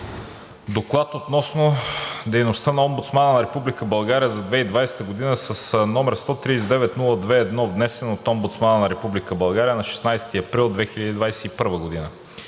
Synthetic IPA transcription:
d̪oklˠat̪ot̪nɔsnod̪ɛjnost̪ənɐɔmbʊt̪smanənɐɾɛpublikəbɐlˠɡaɾijəzɐd̪vɛid̪vajsɛ̥t̪əɡod̪inəsəsnɔmɛɾst̪ɔt̪ɾisʲd̪ɛvɛt̪nulˠəd̪vɛːd̪nɔvnɛsɛnot̪ɔmbʊt̪smanənɐɾɛpublikəbɐlˠɡaɾijənɐʃɛ̥snajst̪iɐpɾilˠd̪vɛxiʎʲəd̪id̪vajsɛipɤɾvəɡod̪inə

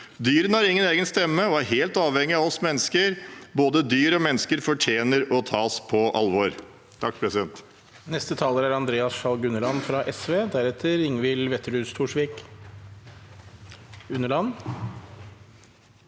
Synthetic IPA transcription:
d̪yːɾənhæɾɪŋːəneːɡənst̪ɛmːəɔæɾɦeːlt̪ɑːʋhɛŋːɪɑɔsmɛnːəskəɾboːd̪əd̪yːɾɔmɛnːəskəɾfɔʈʰjeːnəɾɔt̪ʰɑːspʰɔʔɑlʋɔɾ | t̪ʰɑk̚ːpʰɾɛsɪd̪ɛnt̪ | nɛst̪ət̪ʰɑːləɾæɾɑnd̪ɾeːɑsʃɑlɡʉnəlɑnfɾɑʔɛsʋeːd̪æɾɛt̪ʰəɾɪŋʋɪlʋɛt̪ːəɖʉːst̪ʰuːʂʋiːk | ʉnːəɭɑn

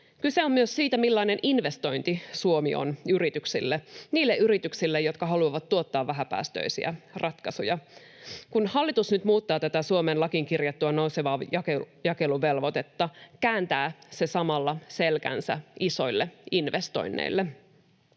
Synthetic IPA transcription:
kyse̞o̞mmyøssiːt̪æmilːɑine̞nʔinʋe̞st̪o̞jnt̪isuo̞mio̰nyɾit̪yksilːeniːlːeʔyɾit̪yksilːejo̞t̪kɑɦɑluɑʋɑt̪ːuo̞t̪ːɑːʋʋæɦæpæ̰ːst̪ø̰isḭæ̰rʔɑt̪kɑsujɑ | kunhɑlːit̪usnyt̪muːt̪ːɑːt̪æt̪æsuo̞menlɑkiŋkirjɑt̪ːuɑnowseʋɑːjɑkejɑke̞luʋe̞lʋo̞t̪e̞t̪ːɑkæːnt̪æːse̞sɑmɑlːɑse̞lkæ̰nsæ̰iso̞ilːeinʋest̪o̞̰jnːḛilːe

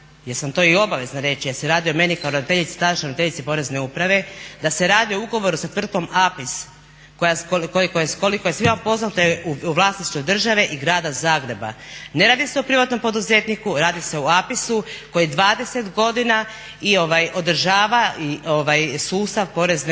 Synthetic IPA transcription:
jeɾsamt̪o̞io̞baʋe̞znaɾe̞t͡ʃijaseɾaːd̪iome̞nikaoɾod̪it̪eʎit̪si̥t̪ad̪aʃeɾoit̪eʎit̪sipo̞ːɾe̞zne̞upɾaʋe̞d̪ase̞ɾaːd̪iouɡo̞ʋo̞ɾusat̪ʋr̩t̪̚ko̞mapis | kojakokoikojeko̞likojesʋimampo̞znat̪oeuʋlˠasniʃt̪ojd̪r̩ʒaʋe̞ʔiɡɾaːd̪azaːɡɾe̞ba̰ne̞ɾaːd̪ise̞opɾiʋat̪no̞mpo̞d̪uze̞t̪nikuɾaːd̪ise̞oapisuko̞jid̪ʋaːd̪e̞se̞t̪ɡo̞d̪ina | io̞ʋajo̞d̪r̩ʒaːʋaio̞ʋajsuːst̪aʋpo̞ɾe̞zne

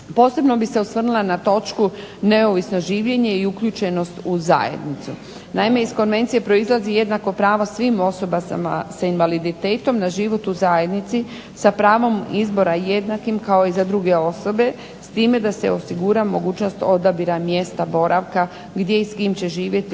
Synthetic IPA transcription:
po̞ːse̞bno̞bise̞usʋr̩nulˠanat̪o̞t͡ʃkune̞o̞ʋisno̞ʒiːʋʎe̞ɲe̞iukʎuːt͡ʃe̞no̞st̪uza̰jḛd̪nit̪su | naime̞isko̞nʋe̞nt̪sie̞pɾo̞izlˠazije̞d̪nako̞pɾaːʋosʋiːmo̞so̞baa̰sainʋalid̪it̪e̞ːt̪o̞mnaʒiʋo̞t̪uzaje̞d̪nit̪si | sapɾaːʋo̞mizbo̞ɾaje̞d̪nakimkao̞izad̪ɾuɡe̞o̞so̞be̞ | st̪iːme̞d̪ase̞̰o̞siɡuɾamo̞ɡuːt͡ʃno̞st̪o̞d̪abiɾamje̞st̪abo̞ɾʔaʋka | ɡd̪je̞iskiːmt͡ɕe̞ʒiːʋje̞t̪i

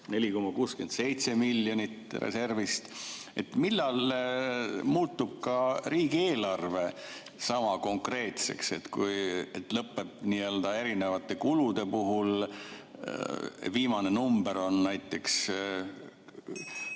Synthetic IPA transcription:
ne̞lʲiko̞mːɑkuːske̞nd̪se̞jt̪se̞miljo̞nʲit̪ːrḛse̞rvist̪et̪milːɑl | muːt̪ːub̥̚kɑɾiːɡieːlɑrve̞ | sɑmɑko̞ŋkre̞ːt̪se̞̰kse̞t̪kujet̪lɤpːe̞bniøld̪̥ɑe̞ɾinevɑt̪ːˑe̞kulud̪e̞puɦul | viːmɑne̞numbe̞ɾo̞nnæjt̪ːˑe̞ks

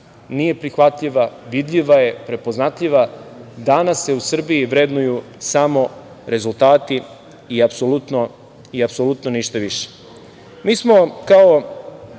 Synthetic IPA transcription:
nije̞pɾixʋat̪ʎiʋaʋid̪ʎiʋaje̞pɾe̞po̞znat̪ʎiʋad̪anasːe̞usr̩biːʋɾed̪nuju | samo̞ | ɾe̞zult̪aːt̪i | iapsolut̪no | iapsolut̪noniʃt̪aʋiʃe̥ | miːsmo̞kao

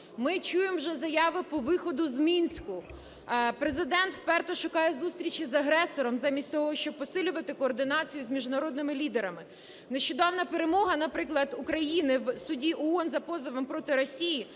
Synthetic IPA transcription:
mɪt͡ʃujemwʒɛzɐjɑʋɪpɔʋɪxɔd̪ʊzmʲinʲsʲkʊ | pɾezɪd̪ɛnt̪wpɛrt̪ɔʃʊkɑjɛzust̪ʲɾʲit͡ʃizɐɦɾɛsɔɾɔmzɑmʲisʲtʲt̪ɔɦɔʃt͡ʃɔb̚pɔsɪlʲʊʋɐt̪ɪkɔːrd̪ɪnɑt͡sʲijʊzʲmʲiʒnɐɾɔd̪nɪmɪlʲid̪eɾɐmɪ | neʃt͡ʃɔd̪ɑwnɐpeɾemɔɦɐnɐpɾɪklˠɐd̪ʊkɾɐjinɪʋsʊdʲiʔɔɔnzɐpɔzɔʋɔmpɾɔt̪ɪɾɔsʲiji

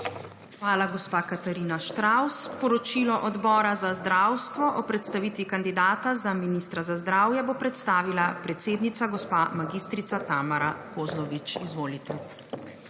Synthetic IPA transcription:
xʋaːlaɡɔspaːkat̪aɾiːnaʃt̪ɾawspɔɾɔt͡ʃilɔʔɔd̪bɔːɾazazd̪ɾawst̪ʋɔʔɔpɾɛt̪st̪aʋiːt̪ʋikand̪id̪aːt̪azaminist̪ɾazazd̪ɾaːwjɛbopɾɛt̪st̪aːʋilapɾɛt̪seːd̪nit̪saɡɔspamaɡiːst̪ɾit̪sat̪amaɾakozlɔʋit͡ʃizʋoːlit̪ɛ

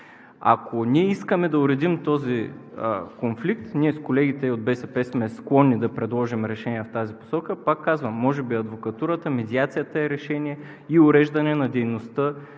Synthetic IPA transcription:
a̰kʰoniɛiskəmɛd̪ɐʊɾɛd̪imt̪ɔzi | konflikt̪niɛskolɛɡit̪ɛod̪̚bɛsɛpɛsmɛsklˠɔnːid̪ɐpɾɛd̪lˠɔʒimɾɛʃɛniɛft̪azipo̥sɔkəpakːazvəmːɔʒɛbiɐd̪vokɐt̪uɾət̪əmɛd̪ʲiat̪sijət̪əɛɾɛʃɛniɛ | iʊɾɛʒd̪ɐnɛnɐd̪ɛjnost̪ə

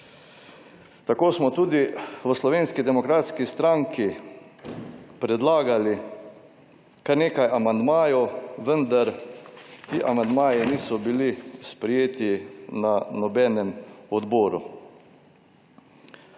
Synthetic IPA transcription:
t̪akoːsmɔt̪uːd̪iʋəslɔʋeːnskid̪ɛmɔkɾaːt̪skist̪ɾaŋkʰi | pɾɛd̪laːɡali | kaɾneːkajʔamand̪maːjɔʋənd̪aɾ | t̪iːʔamand̪maːjiniːsɔbilispɾɛjeːt̪inanɔbɛːnɛmɔd̪bɔːɾṵ

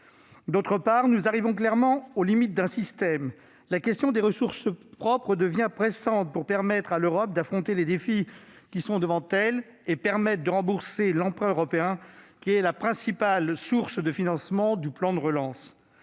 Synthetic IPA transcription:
d̪ot̪χəpaʁnuzaʁivɔ̃klɛʁmɑ̃olimit̪̚d̪ɛ̃sist̪ɛm | lakʲɛst̪jɔ̃d̪eʁəsuʁspχɔpχəd̪əvjɛ̃pχesɑ̃t̪̚puʁpɛʁmɛt̪χaløʁɔp̚d̪afχɔ̃t̪eled̪efikʲisɔ̃d̪əvɑ̃t̪ɛl | epɛʁmɛt̪̚d̪əʁɑ̃buʁselɑ̃pχœøʁɔpeɛ̃kʲiɛlapχɛ̃sipalsuʁsd̪əfinɑ̃smɑ̃d̪yplɑ̃d̪əʁəlɑ̃s

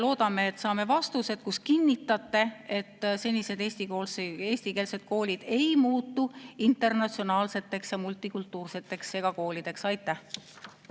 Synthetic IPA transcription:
lo̞ːd̪̥ɑme̞ːt̪ːsɑːme̞vɑst̪use̞d̪̥kuskinʲːit̪ːˑɑt̪ːe̞e̞t̪ːse̞nʲise̞d̪e̞ːsʲt̪ikoːlseːsʲt̪ikeːlse̞d̪̥̚ko̞ːlʲid̪̥e̞jmuːt̪ːˑuint̪ːˑe̞rnɑt̪sio̞nɑːlse̞t̪ːe̞ksjɑmult̪ːˑikult̪ːˑuːrse̞t̪ːˑe̞kse̞ɡ̥ɑko̞ːlʲid̪̥e̞ksɑjt̪ːˑæh

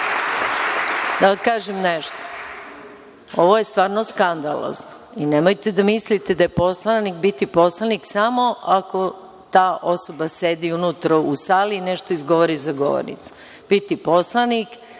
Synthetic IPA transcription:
d̪akaːʒemneʃt̪o̥ | o̞ʋoje̞st̪ʋaːɾno̞skand̪a̰lˠo̰zno | inemojt̪ed̪amislit̪ed̪ajepo̞slˠanikbit̪ipo̞slˠaniksamo̞ako̞ | t̪aːʔo̞so̞base̞d̪iunut̪ɾo̞usaːliːneʃt̪oizɡo̞ʋoɾizaɡo̞̰ʋo̰ɾnḭt̪su̥ | b̥it̪ipo̞slˠanik

